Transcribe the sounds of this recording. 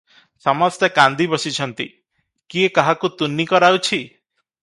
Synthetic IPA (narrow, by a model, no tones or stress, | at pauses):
sɔmɔst̪ekand̪ibɔsit͡ʃʰɔnt̪ḭ | kiekaɦakut̪unːikɔɾawt͡ʃʰi